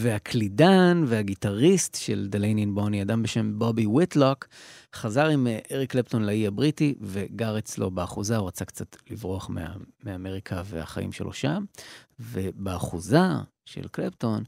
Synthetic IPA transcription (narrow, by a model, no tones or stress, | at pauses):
veakʰlidanveaɡitaʁist̪ʃe̞ld̪elejninboniadambe̞ʃe̞mbo̞biwitlokχazaʁimʔeʁiklepto̞nlaiabʁitive̞ɡaʁet͡slo̞̰beaχuzauʁat͡sakt͡sat̪livʁoaχmea̰meame̞ʁikʰave̞a̰χa̰ʔḭmʃelʔo̞̰ʃamve̞baːχuza | ʃḛlklepto̞n